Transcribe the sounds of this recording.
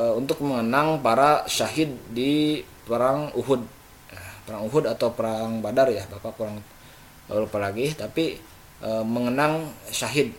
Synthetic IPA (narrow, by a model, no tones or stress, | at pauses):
unt̪ʊk̚məŋənaŋpaɾasaɦɪd̪̚ːipəɾaŋuɦʊd̪̚ | apəɾaŋuɦʊdat̪awpəɾaŋbadarjahbapapuɾaŋ | alupalaɡiht̪api | ʔəməŋənaŋsaɦɪd̪̚